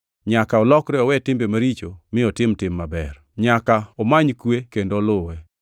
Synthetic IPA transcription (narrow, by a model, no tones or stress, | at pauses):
ɲakaɔlɔkɾɛɔwɛtɪmbemaɾit͡ʃomɪɔtɪmtɪmːabɛr | ɲakaɔmaɲkwekendolʊwɛ